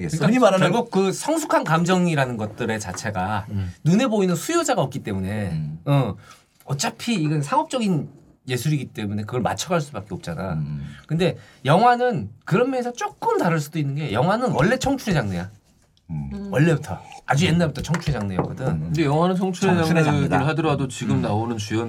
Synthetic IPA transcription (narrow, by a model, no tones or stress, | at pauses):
ɡek͈aɡok̚k͈ɯsʰʌŋs̬ʰukʰankamd͡ʑʌŋiɾanɯnɡʌt̚t͈ɯɾe̞t͡ɕa̰t͡ɕʰe̞ɡanune̞boinɯnsʰujod͡ʑaɡaʌp̚k͈it͈e̞mune̞ʌ | ʌt͡ɕ͈apʰiːɡʌnsʰaŋʌp̚t͡ɕ͈ʌɡin | je̞sʰuɾiɡit͈e̞mune̞kɯɡʌɭma̰t͡ɕʰʌɡaɭs͈ubak͈eʌp̚t͡ɕ͈ana̰kɯnde̞jʌŋɦwanɯnkɯɾʌmmjʌŋesʰʌt͡ɕ͈ok̚k͈ɯmtaɾɯɭs͈udoinːɯnɡe̞jʌŋɦwanɯnwʌɭːe̞t͡ɕʰʌŋt͡ɕʰuɾed͡ʑaŋneja | wʌɭːe̞butʰʌ̰a̰d͡ʑujenːabutʰʌt͡ɕʰʌŋt͡ɕʰuɾed͡ʑaŋneja̰kʌdɯnɯndejʌŋwanɯnt͡ɕʰʌŋt͡ɕʰuɾed͡ʑaɾeedaɯɦadɯɾʌadot͡ɕiɡɯmnaonɯnt͡ɕujʌn